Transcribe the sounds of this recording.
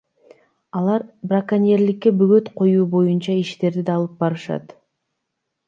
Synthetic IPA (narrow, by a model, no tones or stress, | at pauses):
ɑlˠɑɾbrakanʲeɾlikːe̞byɡø̞t̪qʰo̞juːbo̞junt͡ʃɑiʃt̪e̞ɾd̪id̪ɑːlˠɯp̚bɑɾɯʃɑ̰t̪